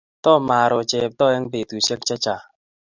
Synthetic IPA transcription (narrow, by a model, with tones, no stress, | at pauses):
t̪ɔ˦˨ma˨ɾɔ˨t͡ʃɛ˨p̚t̪ɔ˦˨ɛ˦ŋbe˨t̪u˨se˦k̚t͡ʃa˦t͡ʃa˨